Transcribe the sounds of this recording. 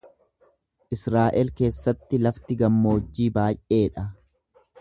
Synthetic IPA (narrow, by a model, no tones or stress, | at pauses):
ʔɪsɾaːʔɛlke̞ːsːɐt̪ːɪlɐft̪ɪɡɐmːo̞ːd͡ʒːiːbaːjʔe̞ːᶑɐ